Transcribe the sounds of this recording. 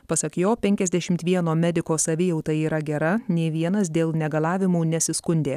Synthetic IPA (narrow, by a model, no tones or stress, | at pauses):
pɐsɐkjoːpʲɛŋʲkʲɛzʲd̪ʲɛʃʲɪmt̪ʋʲiɛnoːmʲɛd̪ʲɪkoːsɐʋʲɪjɛʊt̪ɐiːɾɐɡʲɛɾɐnʲeːʋʲiɛnɐs̬d̪ʲeːlˠnʲɛɡɐlˠɑːʋʲɪmuːnʲɛsʲɪskʊnʲd̪ʲeː